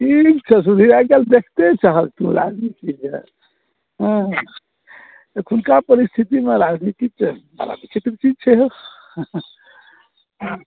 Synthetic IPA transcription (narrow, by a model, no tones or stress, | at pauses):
ʈʰikt͡ʃʰəs̬ud̪ʱiɾaɡeld̪ekʰt̪et͡ʃaɦəlt̪ũɾa̰d͡ʒnit̪id͡ʒḛ | ɦə̃ | kʰunkapəɾist̪ʰit̪imeɾad͡ʒnit̪ik̚t͡ʃʰɛbə̰ɾa̰bit͡ʃʰit̪ɾət͡ʃid͡ʒt͡ʃʰɛɦo | ɦ